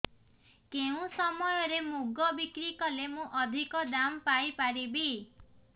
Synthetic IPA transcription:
keũsɔmɔjɔɾemuɡɔbikɾikɔlemũʔɔd̪ʱikɔd̪ampajpaɾibi

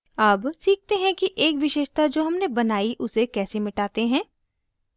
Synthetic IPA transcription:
aːbsiːk̚t̪eɦɛ̃kiʔeːkʋɪʃeːʃt̪ad͡ʒoːɦɐmnebɐnaːiʔʊsekɛːsemɪʈaːt̪eɦɛ̃ː

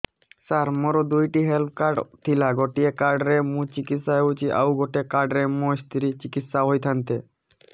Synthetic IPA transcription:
saɾmɔɾod̪ujʈiɦelp̚ʰkaɾɖt̪ʰilaɡɔʈiekaɾɖɾemũt͡ɕikit̪saeut͡ɕiʔa̰wɡɔʈekaɾɖɾemost̪ʰiɾit͡ɕikit̪saɦojt̪ʰant̪e

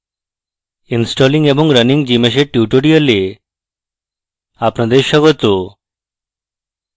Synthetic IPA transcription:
insʈɔliŋɡebɔŋɡɾəniŋɡd͡ʑimeʃ̬eʈjuʈoɽiəle | apnɔd̪eʃɔɡɔt̪o

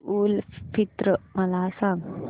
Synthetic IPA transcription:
ulpʰit̪ɾəmalaːsaŋ

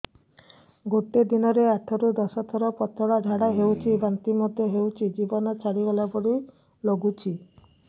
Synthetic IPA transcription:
ɡoʈed̪inɔɾeaʈʰɔɾud̪ɔsɔt̪ʰɔɾɔpɔt̪ʰɔɽaɖʱaɽaɦewt͡ʃʰibant̪imɔd̪ʱjɔɦewt͡ʃʰid͡ʒibɔnɔt͡ʃʰaɽiɡɔlapɔɽi | loɡut͡ʃʰi

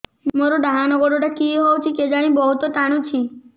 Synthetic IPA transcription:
moɾoɖaɦanɔɡoɖoʈakiɦowt͡ʃʰiked͡ʒaɽ̃ĩbɔɦut̪ɔt̪aɽ̃ũt͡ʃʰi

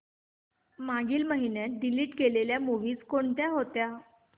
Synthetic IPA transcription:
maɡiːlməɦinjat̪̚ɖiliːʈkeleljamuʋiːt͡skoɳt̪jaɦot̪ja

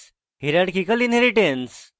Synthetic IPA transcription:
ɦiɾaɽkikəlinɦeɾiʈens

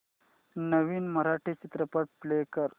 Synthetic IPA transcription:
nəʋiːnməɾaʈʰiːt͡ɕit̪ɾəpəʈ̚plekəɾ

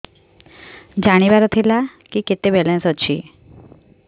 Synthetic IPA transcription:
d͡ʒaɽ̃iʋaɾɔt̪ʰilakiket̪ebɛlensɦɔt͡ʃʰḭ

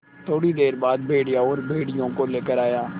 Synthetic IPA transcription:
t̪ʰoːɽid̪eːɾbaːd̪̚bʱeːɽɪjaːɔːɾbʱeːɽɪjõːkoleːkəɾaːjaː

